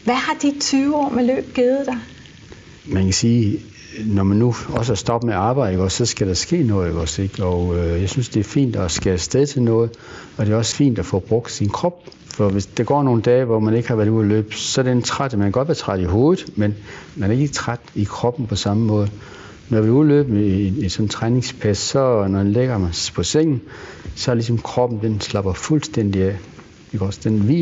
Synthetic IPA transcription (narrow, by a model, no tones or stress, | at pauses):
ʋæhɑ̈d̥it͡sʰyːʊɒ̰ːmelø̰ːb̥ɡ̥eð̩ˠd̥ɑɪ | mænkʰæsiː | nɒmænːuɒ̽s̬əsd̥ɒ̽b̥əmeɑ̈ːb̥ɑ̈ɪð̥̩əɡ̥ɒsɒ̽sɡ̥æɾ̥ɑsɡ̥e̝̰ːnɔ̽ːð̩ˠɡ̥ɒse̝ɡ̥ɒʊjɑ̈ɪsynsd̥e̝æɐfḭːnd̥ɒsɡ̥æsd̥eð̞ˠt͡sʰe̝lnɔ̽ːð̞̩ˠ | ɒ̽d̥e̝ɒ̽sə̥fḭːnd̥æfɒ̰b̥ʁɔ̽ɡ̥̚d̥sinkʰʁɒ̽b̥̚ | fɒ̽ʋe̝sd̥ɑ̈ɡ̥ɒ̰ːno̝ːn̩d̥ɛːʋɒmæne̝ɡ̥hɑ̈ʋæɐðˠuðˠɐlø̰ːb̥sɒ̽æɐɾent͡sʰʁad̥æmænɡ̥ɒ̽d̥ʋæɐt͡sʰʁɑd̥iɦo̝ːð̩ˠmenmænæɐe̝ɡ̥ət͡sʰʁad̥ikʰʁɒ̽b̥n̩pʰɒ̽sɑ̈məmɔ̽ːð̞̩ˠ | nɒʋeuðˠlø̰ːb̥nːsɒ̽n̩t͡sʰʁane̝ŋspʰæsːɒ̽nɒdenleɡ̥ɐmæspʰɒ̽seŋ̰n̩sɒ̽ɐlisɒ̽mkʰʁɒ̽b̥n̩d̥enslɑ̈b̥ɐfulsd̥en̰d̥iæ | d̥eɡɒsd̥enʋḭː